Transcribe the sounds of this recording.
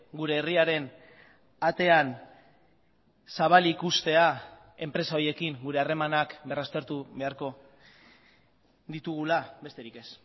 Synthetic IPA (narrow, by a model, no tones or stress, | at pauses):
ɡuɾe̞ːriaɾe̞n | at̪e̞an | saβ̞alikust̪e̞a | e̞mpɾe̞sao̞je̞kiŋɡuɾe̞are̞manakbe̞rast̪e̞ɾt̪uβe̞aɾko̞ | d̪it̪uɣ̞ulabe̞st̪e̞ɾike̞s